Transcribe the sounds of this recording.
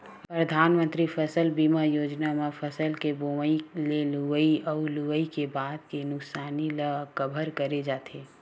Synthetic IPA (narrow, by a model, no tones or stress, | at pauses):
pɾəd̪ʱaːnmə̃nt̪ɾipʰəsəlbiːmajoːd͡ʒnamapʰəsəlkeboməileluʋəiəʊluʋəikebaːd̪̚kenʊksaːniləkəbʱəɾkəɾed͡ʒaːt̪ʰeː